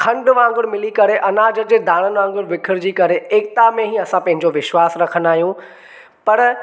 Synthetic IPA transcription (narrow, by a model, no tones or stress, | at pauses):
kʰɐ̃ɳɖʋãːŋɡʊɽ̃mɪlikɐɾeʔɐnaːd͡ʑəd͡ʑeːd̪ʱaːɽ̃ənʋãːŋɡʊɽʋɪkʰɪɾd͡ʑiːkɐɾeeːk̚t̪amẽɦiɐsãpɐ̃ɦɪ̃ɲd͡ʑoʋɪʃwaːsɾɐkʰən̆d̪aːɦijũ | pɐɾ